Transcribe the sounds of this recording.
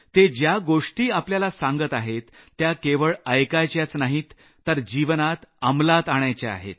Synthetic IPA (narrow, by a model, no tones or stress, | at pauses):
t̪ed͡ʑjaɡoʂʈiːapljalasaŋɡət̪aɦet̪ːjakeʋəɭəjkajt͡ɕjat͡snaɦiːt̪ː | əɾd͡ʑiʋnat̪amlat̪aɳjat͡ɕaa̰ɦḛt̪̚